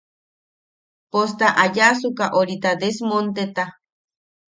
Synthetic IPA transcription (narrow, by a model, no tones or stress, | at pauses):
post̪aʔajas̬ukaʔoɾit̪ad̪esmont̪et̪a